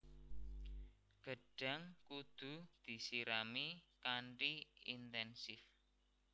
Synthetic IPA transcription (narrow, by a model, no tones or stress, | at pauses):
ɡ̥ə̤ɖ̥a̤ŋkud̪̥ṳd̪̥i̤siɾamikaɳʈiint̪ɛnsɪf